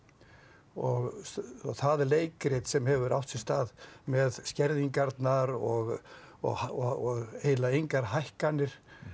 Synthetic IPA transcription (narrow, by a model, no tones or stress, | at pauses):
ɔɣθaðɛleːjkɾɪt̪sɛmhɛvʏɾa̰w̥t̪sɪst̪aːðmɛðscɛɾðiŋkaɾt̪naɾɔɣ | ɔ̰ɣɔɣeːjlaejŋkaɾ̥ɦajhkanːɪɾ̥